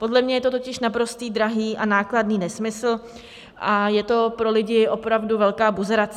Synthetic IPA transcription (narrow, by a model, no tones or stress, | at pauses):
po̞dlɛmɲɛjɛt̪o̞t̪o̞cɪʃnapɾo̞st̪iːd̪ɾaɦiːʔanaːkladniːnɛsmɪsl̩ | ʔajɛt̪o̞pɾo̞lɪɟɪʔo̞pɾavduvɛlkaːbuzɾat͡s